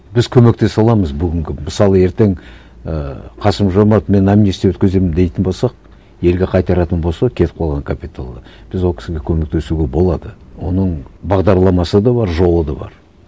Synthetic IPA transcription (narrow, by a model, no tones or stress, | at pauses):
bɪzkʲʰɵme̞k̚t̪e̞sɑlˠɑməzbʏɡʲɪŋɡʲɪmɪsɑlˠəe̞ɾt̪e̞ŋ | əqʰɑsəmʒomɑt̪me̞namnist̪ewɵt̪kʲɪze̞mɪmd̪e̞jt̪ɪnbolˠsɑq̚ | je̞lɡʲe̞qʰɑjt̪ɑɾɑt̪ənbo̞lˠsɑkʲʰe̞t̪ɪp̚qʰɑlˠʁɑŋkʰapʲit̪ʰa̰lˠd̪ɑb̥ɪzwo̞lˠkʰʲɪ̥sɪɡʲe̞kʲʰɵme̞k̚t̪e̞suɡʲe̞bo̞lˠɑd̪əwo̞nəɴbɑʁd̪ɑɾlˠɑmɑsəd̪ɑbɑɾʒo̞lˠəd̪ɑbɑ̰ɾ